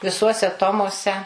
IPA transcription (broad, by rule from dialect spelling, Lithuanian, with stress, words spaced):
ʋʲɪˈsuɔsʲɛ ˈtoːmuɔsʲɛ